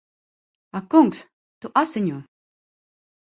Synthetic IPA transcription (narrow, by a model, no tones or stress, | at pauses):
akuŋks | t̪uʔasɪɲʲuː